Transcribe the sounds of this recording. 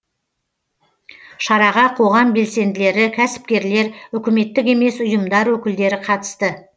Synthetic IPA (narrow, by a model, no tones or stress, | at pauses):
ʃɑɾɑʁɑqʰo̞ʁɑmbe̞lse̞nd̪ɪle̞ɾɪkʲʰæsɪ̥p̚kʲe̞ɾle̞ɾʏkʲɪme̞t̪ːɪkʲe̞me̞sʊjəmd̪ɑɾwɵkʲɪld̪e̞ɾɪqʰɑt̪ə̥st̪ə